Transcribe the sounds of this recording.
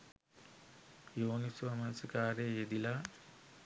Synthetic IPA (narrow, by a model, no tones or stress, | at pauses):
joːnisuamɐnsəkaːɾejed̪ila